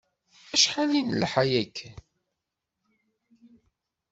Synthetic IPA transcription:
æʃħalinəlħajækː

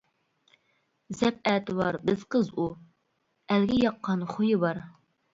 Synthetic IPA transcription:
zɛp̚ɛːt̪ɪbɑɾbɪz̥qʰəzu | ælɡʲɛjɑqːɑnχʊjɪbɑɾ

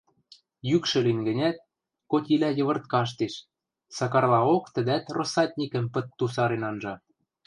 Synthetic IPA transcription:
jykʃɘ̆linɡə̆nʲæt̪̚ | kot̪ʲilæjɤ̆βɤ̆rt̪̚kɑʃ̬t̪eʃ | sɑkɑrlɑokt̪ə̆d̪æt̪rosɑt̪̚ʲnʲikə̆mpə̆t̪ːusɑɾenɑnʒɑ

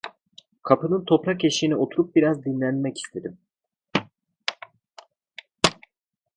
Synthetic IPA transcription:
kʰapʰɯnɯnt̪ʰo̞pɾace̞ʃinio̞t̪ʰuɾup̚biɾazd̪inlʲænmɛci̥st̪ʰe̞d̪im

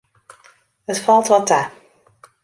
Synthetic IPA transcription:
ətfɑlˠtʋɑta

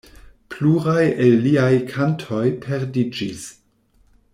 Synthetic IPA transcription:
pluɾajelːiajkʰantʰo̞jpʰeɾdid͡ʒis

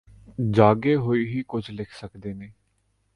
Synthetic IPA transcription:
d͡ʒaːɡeːɦoːiːɦiːkʊd͡ʒʰlɪkʰsəkd̪eːneː

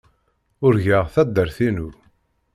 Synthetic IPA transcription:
ʊɾʝəʁθæd̪ːəɾθinuɾ

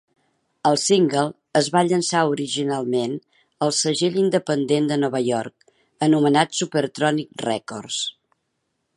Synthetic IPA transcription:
əlˠsiŋɡəlˠ | əzβaʎənsauɾiʒinalˠmen | əlˠsəʒeʎind̪əpənd̪end̪ənɔβəjɔrk | ənumənat̪supəɾt̪ɾɔnik̚rɛkɔrs

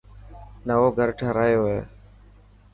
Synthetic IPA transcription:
nəʋoːɡʱəɾʈʰəɾaːjoːɦeː

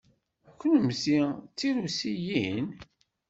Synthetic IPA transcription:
kʷːənəmsit͡sːiɾusijin

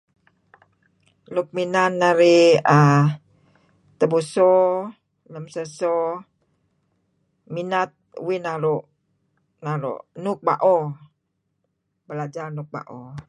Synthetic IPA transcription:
luk̚minanːaɾiə | t̪əbusɔ | ləmsəsɔ | minat̪̚winaɾuʔ | naɾṵʔnʊk̚ba̰ʔɔ | bəlad͡ʒarnʊk̚ba̰ʔo

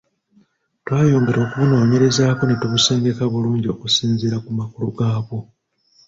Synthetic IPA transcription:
twaːjo̞ːŋɡe̞ɾo̞ːkuβuno̞ːɲe̞ɾe̞zaːko̞netuβuse̞ːŋɡe̞kaβuluːɲɟio̞kusiːnziɾakumakuluɡaːβo̞

